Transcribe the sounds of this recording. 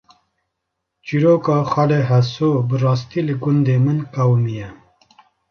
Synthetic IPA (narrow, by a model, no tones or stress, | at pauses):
t͡ʃiɾoːkɑːxɑleɦɐsoːbɨrɑːs̬t̪ilɨɡʊnd̪eːmɨnkawmijɛ